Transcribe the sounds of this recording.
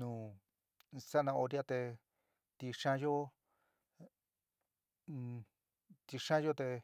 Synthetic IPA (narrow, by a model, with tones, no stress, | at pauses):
nũ˧ | sa˦nã˧o˧ɾi˦a˦˧t̪e˧ | t̪i˧ʂã˦jo˦ | t̪i˧ʂã˦jo˦t̪e˧